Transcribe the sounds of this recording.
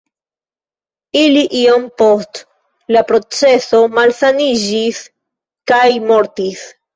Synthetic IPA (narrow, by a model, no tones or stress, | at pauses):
iliʔiompo̞st | lapɾo̞t͡se̞so̞malsanid͡ʒis | kajmo̞ɾtis